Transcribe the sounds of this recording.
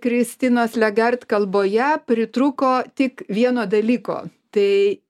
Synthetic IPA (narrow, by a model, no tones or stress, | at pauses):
kɾʲɪsʲt̪ʲɪnoːslʲɛɡɐrt̪kɐlˠboːjɛpʲɾʲɪt̪ɾʊkoːt̪ʲɪkʋʲiɛnoːd̪ɐlʲiːko̰ːt̪ɐɪ